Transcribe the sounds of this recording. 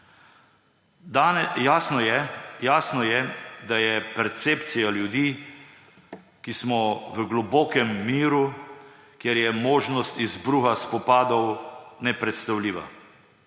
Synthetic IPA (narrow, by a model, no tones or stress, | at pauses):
d̪ajaːsnɔjɛjaːsnɔjɛd̪ajɛpɛɾt̪seːpt̪sijaljud̪iː | kismɔʋəɡlɔbɔːkɛmːiːɾu | kjɛɾjɛmoːʒnɔst̪izbɾuːxaspɔpaːd̪ɔwnɛpɾɛt̪st̪awliːʋa̰